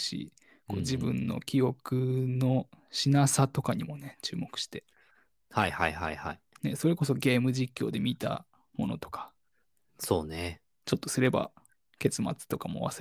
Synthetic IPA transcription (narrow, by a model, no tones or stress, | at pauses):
ɕḭ | ko̞̰ːd͡ʑibɯ̟̰̃nːo̞̰kʲio̞kɯ̟no̞ɕinasat̪o̞kaɲ̟imo̞ne̞t͡ɕɨ̰ːmo̞kɯ̟ɕi̥t̪e̞ | haihaiha̰iha̰ine̞so̞ɾe̞ko̞so̞ɡe̞ːmɯ̟d͡ʑikʲːo̞ːd̪e̞mʲit̪a̰ | mo̞̰no̞̰t̪o̞̥kḁ | so̞ːne | t͡ɕo̞t̪ːo̞sɨɾe̞ba̰ | ke̞t͡sɨma̰t͡sɨ̥t̪o̞kamo̞̰βa̰s